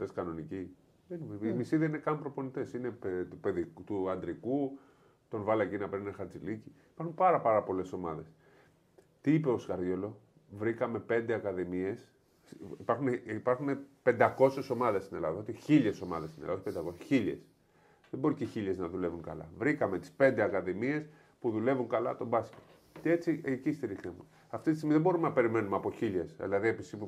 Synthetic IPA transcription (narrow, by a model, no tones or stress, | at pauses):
t̪eskɐno̞nici | enmisiðɐine̞kɐmpɾo̞po̞nit̪e̞sine̞pt̪upeðikt̪uɐnd̪ɾiku | t̪o̞nvɐlɐcinɐpinexɐɾt͡siliciipɐɾxunpɐɾɐpɐɾɐpo̞le̞so̞mɐðe̞s | t̪iipe̞o̞skɐɾðʝo̞lo̞ | vɾikɐme̞pe̞nd̪e̞ɐkɐðimie̞s | ipɐɾxuneipɐɾxunepe̞nd̪ɐko̞se̞so̞mɐðe̞st̪ine̞lɐ̰ðɐot̪içiʎeso̞mɐ̰ðest̪inḛlɐ̰ðpend̪ɐko̞se̥çiʎḛs | ðebo̞ɾiceçiʎe̞znɐðule̞vuŋkɐ̰lɐ̰vɾikɐme̞t̪i̥spe̞nd̪eɐkɐðimie̞s | puðule̞vuŋkɐlɐ̰t̪o̞bɐscet̪ | ce̞t͡siecist̪iɾiknemu | ɐft̪it̪is̬t̪imiðebo̞ɾumenɐpe̞ɾime̞numeɐpo̞çiʎe̞sðḭlɐðie̞pisipu